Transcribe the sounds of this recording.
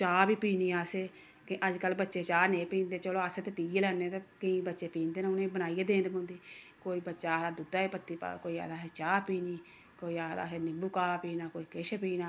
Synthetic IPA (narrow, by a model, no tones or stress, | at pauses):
t͡ʃaːbiːpiːniːaːseː | kʔəd͡ʒkəlːbətːʃeːt͡ʃaːnẽːpĩːnd̪eːt͡ʃəloːaːseːt̪eːpiːɡeːlɛːneːt̪ekəĩːbətːʃeːpĩːnd̪eːneʊnẽːbənaːijeːd̪eːnpõːnd̪iː | koːiːbətːʃaːad̪ʊd̪aːepət̪ːiːpa̰koːiːa̰ːd̪aːɦɛːt͡ʃaːpiːniː | koːiːaːd̪a̰ːɦeːnɪbuːkaːpiːnaːkoːiːkɪʃpiːnaː